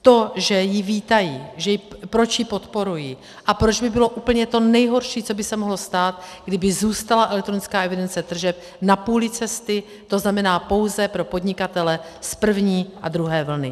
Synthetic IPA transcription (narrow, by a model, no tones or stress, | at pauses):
t̪o̞ʒɛjɪviːt̪ajiːʒɛjɪpɾo̞t͡ʃjɪpo̞t̪po̞ɾujiː | ʔapɾo̞d͡ʒbɪbɪlo̞ʔuːpl̩ɲɛt̪o̞nɛjɦo̞ɾʃiːt͡so̞bɪsɛmoɦlo̞st̪aːt̪ɡdɪbɪzuːst̪alaʔɛlɛk̚t̪ɾonɪt͡skaːʔɛvɪdɛnt͡sɛt̪r̩ʒɛp̚ | napuːlɪt͡sɛst̪ɪ | t̪o̞znamɛnaːpo̞wzɛpɾo̞po̞dɲɪkat̪ɛlɛspr̩vɲiːʔad̪ɾuɦɛːvl̩nɪ̰